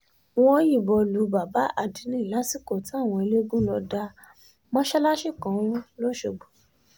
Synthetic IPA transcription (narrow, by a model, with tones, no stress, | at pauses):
w̃ɔ̃˧˦ji˦˨bɔ˧lu˨˧˦ba˨ba˨˦ʔa̰˦˨di˨˦nĩ˦i˨la˨˦si˦˨ko˦˨ti˦a˦˨w̃ɔ̃˧e˧le˦ɡũ˦lɔ˧da˧ | mɔ̃˦ʃɛ˦la˦ʃi˦˨kã˨˦w̃ũ˦lo˦ʃo˧˨ɡ͡bo˨